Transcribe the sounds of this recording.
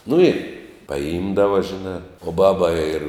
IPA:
nʊ ɪ pɐˈɪmdɐʋɐ ʒʲɪˈnɑː oː ˈbɑːbɐ ɪr

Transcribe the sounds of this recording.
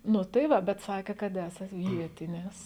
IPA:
ˈnʊ tɐɪ ˈʋɐ bʲɛt ˈsɑːkʲeː kɐt ˈæːsɐt ˈʋʲiɛtʲɪnʲɪs

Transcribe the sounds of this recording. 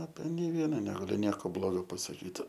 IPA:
ɐpʲɛ nʲɛɪ ˈʋʲiɛnɐ nʲɛɡɐˈlʲʊ ˈnʲiɛkoː ˈblˠoːɡoː pɐsɐˈkʲiːt

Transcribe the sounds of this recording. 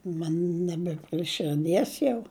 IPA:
ˈmɐn ˈnʲæːbʲɛ pʲrʲiɛ ʃʲɪrʲˈdʲiɛs jɛʊ

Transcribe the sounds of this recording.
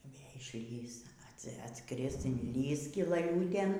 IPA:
iː ˈʋʲeː ɪʃʲˈlʲiːs ˈɐts ɐtˈskrʲɪs ɪnʲˈlʲiːs sʲkʲɪlˠɐˈlʲuːtʲeːn

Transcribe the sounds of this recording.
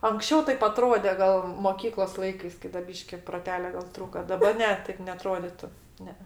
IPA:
ɐŋksʲˈt͡ʃʲɛʊ ˈtɐɪp ɐˈtroːdʲɛ ˈɡɐlˠ moːˈkʲiːklˠoːs ˈlˠɐɪkɐɪs ˈkɐɪ dɐ ˈbʲiːʃʲkʲɪ proːˈtʲæːlʲoː ɡɐlˠ ˈtruːkɐ dɐˈbɐ ˈnʲɛ ˈtɐɪp nʲɛɐˈtroːdʲɪtʊ ˈnʲɛ ɛ

